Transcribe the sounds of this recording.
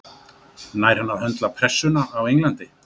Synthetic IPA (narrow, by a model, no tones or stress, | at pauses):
naːjɾ̥hanːaɾhœnt̪lapʰɾɛsːʏnaːwejŋlant̪ɪ